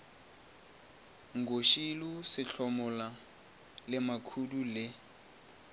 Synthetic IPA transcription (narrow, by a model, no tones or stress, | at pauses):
ŋɡoʃilusɪɬɔmɔla | lɪmakʰudulɪ